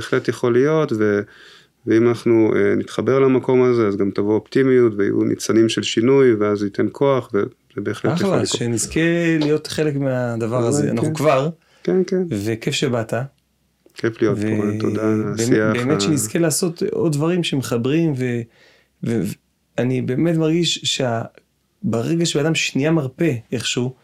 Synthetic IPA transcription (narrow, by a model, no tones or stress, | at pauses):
eχlet̪jeχo̞lijo̞tve̞ | veimanaχnuḛnit̪χabe̞ʁlamako̞mazeazɡamtavooptimijutvea̰jṵnʔḭt͡sanimʃelʃinujveazite̞nkʰo̞aχve | zebe̞ːχlejlaʃenizkelijo̞tχe̞lekmead̪avaʁazea̰naχχukvaʁ | kenkenve̞ke̞fʃebata | kʰeflijotveeodabesabeːmeʃenizkelaːso̞tʔod̚dvaʁimʃemeχabʁimve̞ | vev | anibe̞ːme̞tmaʁɡiʃʃea | baʁeɡaʃeaːdamʃniamaʁpe̞eχʃu